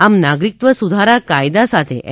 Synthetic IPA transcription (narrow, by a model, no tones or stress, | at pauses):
amnaɡɾik̚t̪ʋəsud̪ʱaɾakajd̪asat̪ʰḛʔ